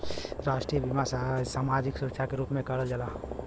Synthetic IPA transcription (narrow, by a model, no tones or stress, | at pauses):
ɾaːʃʈɾiəbimasasaːmad͡ʒɪksʊɾəkt͡ʃʰakeɾuːpmẽkəɽəld͡ʒəla